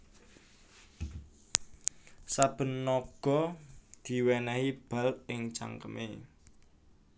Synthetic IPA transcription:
sab̥ə̤nːɔɡ̥ɔ̤d̪̥i̤wɛnɛhib̥a̤lɪŋt͡ʃa̰ŋkəmḛ

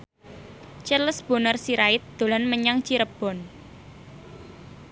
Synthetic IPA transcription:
t͡ʃələsb̥o̤nərsiɾaɪt̪̚d̪̥o̤lanməɲaŋt͡ʃiɾəb̥ɔ̤n

